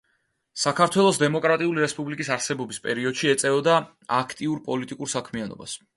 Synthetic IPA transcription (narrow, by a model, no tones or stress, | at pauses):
sakʰaɾt̪ʰwɛlˠɔs̬d̪ɛmɔkʼɾat̪ʼiuliɾɛspʼublikʼisaɾsɛbɔbispʼɛɾiɔd̪̥ʃiɛt̪sʼɛvɔd̪a | akʰt̪ʼiuɾpʼɔlit̪ʼikʼuɾsakʰmianɔ̰ba̰s